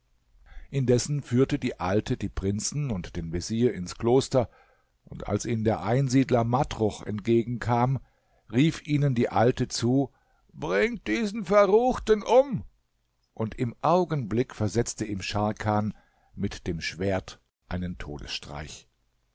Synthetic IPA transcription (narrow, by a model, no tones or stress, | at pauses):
ʔɪndɛsn̩fyːɐtədiːʔaltʰədiːpʁ̥ɪnt͡sn̩ʊntd̥eːnveziːɐɪnskloːstɐ | ʔʊnta̰lsʔiːmndeːɐʔaɪnziːdlɐmatʁ̥ʊxɛ̰ntɡ̥eːɡŋ̩kʰaːm | ʁiːfʔiːnəndiːʔaltət͡suː | b̥ʁɪŋ̚d̥iːzn̩fɛɐʁuːxtənʔʊm | ʔʊntɪmʔaʊɡənblɪkfɛɐzɛt͡stəɪmʃaɐkʰaːn | mɪtd̥eːmʃv̥eːɐt | ʔaɪnəntʰo̰ːdə̰sʃtʁ̥a̰ɪç